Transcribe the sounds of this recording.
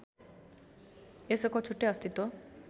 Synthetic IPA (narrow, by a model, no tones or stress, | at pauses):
esɔkɔt͡ʃʰuʈːeʌst̪it̪o